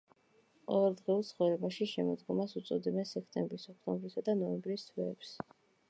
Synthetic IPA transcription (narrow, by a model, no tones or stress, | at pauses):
qʼɔvɛlˠd̪ʁiulˠt̪sʰχɔvɾɛbaʃiʃɛmɔd̪ɡɔmasut̪sʼɔd̪ɛbɛnsɛkʰt̪ʼɛmbɾisɔkʰt̪ʼɔ̃mbɾisad̪anɔɛmbɾist̪ʰwɛːps